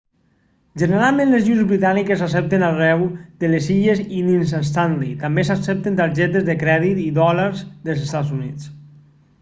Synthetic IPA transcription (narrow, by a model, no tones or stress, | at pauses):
ʒəneɾalˠmẽnlezʒunzβɾit̪anikesas̬ɛp̚t̪enarɛwd̪əlesiʎezinins̬anst̪anlit̪ambesasɛp̚t̪ent̪aɾʒɛt̪ezðəkɾɛðit̪iðɔlaɾzðəlˠsest̪azunit͡s